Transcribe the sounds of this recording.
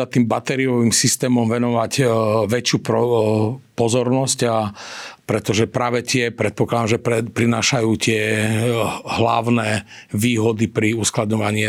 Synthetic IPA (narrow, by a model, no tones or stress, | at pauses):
at̪iːmbat̪ɛɾiɔʋimsist̪ɛːmɔmʋɛnɔʋacʋɛt͡ʃɪuːpɔ | pɔzɔɾnɔscapɾɛt̪ɔʒɛpɾaːʋɛt̪ɪɛpɾɛt̪̚pɔklad̪amʒɛpɛpɾinaːʃajuːt̪ɪɛ | ɦlaʊnɛʋiːɦɔd̪ipɾiusklad̪ɲɔʋaɲɪɛ